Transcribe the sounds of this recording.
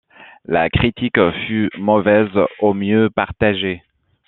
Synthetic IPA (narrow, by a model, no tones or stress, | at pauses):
la̰kχit̪ikfymɔvɛzomjøpaʁt̪aʒe